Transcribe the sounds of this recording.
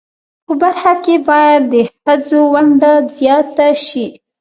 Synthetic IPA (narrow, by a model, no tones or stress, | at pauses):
pəbaɾxakebɑjad̪ːəxəd͡zowaɳɖazjɑt̪aʃi